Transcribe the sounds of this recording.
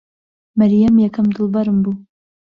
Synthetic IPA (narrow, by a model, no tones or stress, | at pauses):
mæɾjamjɛkʰɐmd̪ɨlˠbɑɾɨmbu